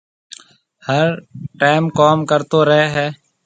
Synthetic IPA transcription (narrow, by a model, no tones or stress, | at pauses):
həɾʈaːɪmkoːmkəɾt̪oːɾəɦeːɦɛː